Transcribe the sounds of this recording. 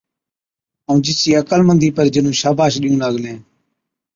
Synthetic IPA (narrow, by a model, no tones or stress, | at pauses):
əũːd͡ʒɪsiːəkəlmənd̪iːpəɾd͡ʒənũːʃaːbʱaːʃɗiːũːnaːɡlẽː